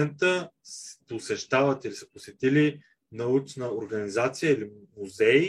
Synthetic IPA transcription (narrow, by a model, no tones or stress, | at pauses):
ɛnt̪əspʊsɛʃt̪avət̪ilisə̥posɛt̪ili | nɐut͡ʃnəoɾɡɐnizat̪sijəilimuzɛi